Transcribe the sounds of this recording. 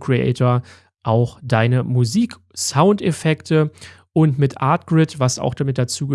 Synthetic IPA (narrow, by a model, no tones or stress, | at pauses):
kʁ̥iʔɛ̰ɪtoɐ | ʔaʊxd̥aɪnəmuziːk | saʊntefɛktʰəʔʊntmɪtʔa̰ɐt̚ɡ̥ʁɪtv̥asa̰ʊxd̥amɪt̚d̥at͡suːɡə